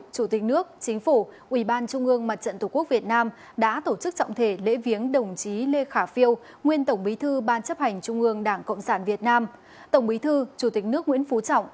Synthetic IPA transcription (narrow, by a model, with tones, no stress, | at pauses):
t͡ɕu˧˩t̪i˨˩k̟̚nɨ˦˥ək̚t͡ɕï˨˦ŋ̟fu˧˩ʔwi˧˩ɓaː˧nt͡ɕʊ˧ŋ͡mʔɨ˧əŋma˨˩t̚t͡ɕə̰˧˨nt̪u˨˧˩ku˦˥ək̚vi˨˩ət̚naː˧m | ɗa̰ː˧˥t̪o˧˩t͡ɕɨ˦˥k̚t͡ɕɔ̰˧˨wŋ͡mt̪ʰe˧˩lḛ˧˥vi˨˦ənɗə˨˩wŋ͡mt͡ɕi˨˦le˧xaː˧˩fi˧əw | ŋwi˧ənt̪ə˧˩wŋ͡mɓi˨˦t̪ʰɨ˧ɓaː˧nt͡ɕə˦˥p̚ha˨˩jŋ̟t͡ɕʊ˧ŋ͡mʔɨ˧əŋɗaː˧˩ŋkə̰˧˨wŋ͡msaː˧˩nvi˨˩ət̚naː˧m | t̪ə˧˩wŋ͡mɓi˨˦t̪ʰɨ˧t͡ɕu˧˩t̪ï˨˩k̟̚nɨ˦˥ək̚ŋwḭ˧˥ənfu˨˦t͡ɕɔ̰˧˨wŋ͡mʔ